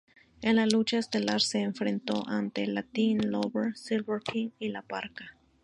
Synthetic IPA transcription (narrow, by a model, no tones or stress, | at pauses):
enlalut͡ʃaest̪elaɾseːɱfɾent̪oʔant̪elat̪inloβeɾsilβeɾkʰiŋilapaɾka